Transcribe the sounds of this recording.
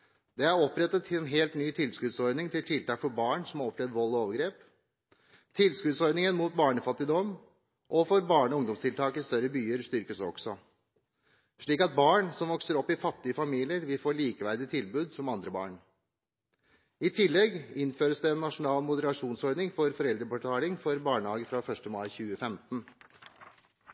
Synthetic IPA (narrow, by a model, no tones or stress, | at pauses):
d̪̥ɛæɾɔpːɾɛt̪ːət̪ʰɪlɛnɦeːlt̪nyːt̪ʰɪlskʉd̪sɔɾdnɪŋt̪ʰɪlt̪ʰɪlt̪ʰɑːkfɔɾbɑːɳsɔmɑɾɔpɾɛd̪ʋɔlːɔoːʋəɡɾeːp | t̪ʰɪlskʉd̪sɔɾnɪŋənmuːt̪̚bɑːɳəfɑt̪ːɪd̪ɔm | ʔɔfɔɾbɑːɳəɔʊŋd̪ɔmst̪ɪlt̪ʰɑːkɪst̪œɾːəbyːəɾst̪ʏɾkəsɔ̰ɡ̥sɔ | ʂɭiːkɑt̪̚bɑːɳsɔmʋɔksəɾɔpːɪfɑt̪ːɪəfɑmiːlɪəɾʋɪlfoːɭiːkəʋæɾd̪ɪt̪ʰɪlbʉːd̪sɔmɑnd̪ɾəbɑ̰ːɳ | ɪt̪ʰɪlːɛɡɪnføːɾəsd̪ɛːnːɑʂʊnɑːlmʊd̪əɾɑʂuːnsɔɾnɪŋfɔɾfɔɾɛld̪ɾəpɑʈʰɑːlɪŋfɔɾbɑːɳəhɑːɡəfɾɑːfœʂʈəmɑɪçʉːəfɛmt̪n̩